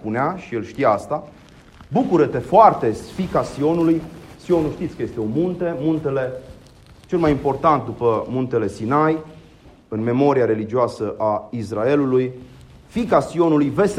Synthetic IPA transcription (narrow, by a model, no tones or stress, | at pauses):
puneaʃielʃt̪ijaast̪a | bukuɾət̪e̞foart̪e̞fikasio̞nulujsio̞nulʃt̪it̪sʲkəje̞st̪e̞omunt̪e̞munt̪e̞le̞ | t͡ʃe̞lmajimpo̞rt̪ant̪̚d̪upəmunt̪e̞le̞sinaj | ɨnme̞mo̞ɾiaɾe̞lid͡ʒioasəʔaisrɾae̞luluj | fikasio̞nulujve̞s